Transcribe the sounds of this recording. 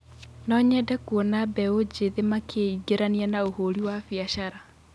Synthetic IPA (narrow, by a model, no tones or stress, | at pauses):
nɔɲɛdɛkuɔnabɛod͡ʑeðemakʰeiɡeɾanianaohoɾiwafiaʃaɾa